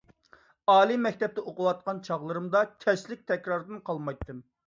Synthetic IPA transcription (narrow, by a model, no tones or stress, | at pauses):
ɑːlˠimɛkʲt̪ɛp̚t̪ɛoqʊwɑt̪̚qɑnt͡ʃʰɑʁlˠɨɾɨmd̪ɑkʲʰɛslɪk̚ʲt̪ʰɛkʲɾɑɾd̪ɨnqʰɑlˠmɑjt̪ʰːɨm